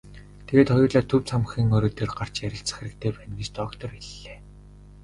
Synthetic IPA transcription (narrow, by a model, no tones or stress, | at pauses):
t̪ʰeɣeːt̪χɔjʊːɮaːt̪ʰɵwt͡sʰamχiːŋoːɾoːt̪erɢar̥t͡ɕjæɾʲɪ̆ɬt͡sə̥̆xeɾɘ̆k̚t̪ʰeːpænɡit͡ɕt̪ɔkt̪ɔ̆riɮːeː